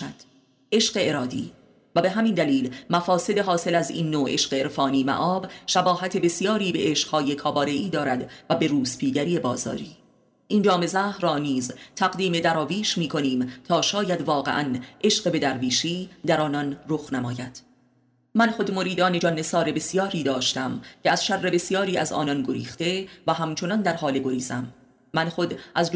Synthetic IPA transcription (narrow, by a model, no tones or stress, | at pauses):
æd̪̥ | e̞ʃɢe̞eɾɒːd̪ḭː | væbe̞ɦæmind̪æliːlmæfɒːse̞d̪eɦɒːse̞læzḭːnːoːʔe̞̰ʃqeeɾfɒːniːmæ̰ʔɒːbʃæbɒːɦæt̪ʰe̞be̞sijɒːɾiːbe̞ʔeʃqhɒːje̞kʰɒːbɒːɾe̞ʔiːd̪ɒːɾæd̪væbe̞ɾuːspʰiːɟæɾiːe̞bɒːzɒ̰ːɾiː | ʔind͡ʒɒːme̞zæhɾɒːniːzt̪ʰæɣd̪iːme̞d̪æɾɒːviːʃmiːkʰo̞niːmt̪ʰɒːʃɒːjæd̪vɒːɣe̞̰ʔæ̰nʔe̞ʃɢebe̞d̪æɾviːʃiːd̪æɾɒːnɒnroxnæmɒːjæd̪̥ | mænxo̞d̪mo̞ɾiːd̪ɒːne̞d͡ʒɒːne̞sɒːɾe̞be̞sijɒːɾiːd̪ɒːʃt̪æmcʰeæzʃærːe̞be̞sijɒːɾiːæ̰zɒ̰ːnɒnɡo̞ɾḭːxt̪e̞væɦæmt͡ʃʰo̞nɒnd̪æɾɦɒːleɡo̞ɾiːz̥æmː | ænxo̞d̪ʔæz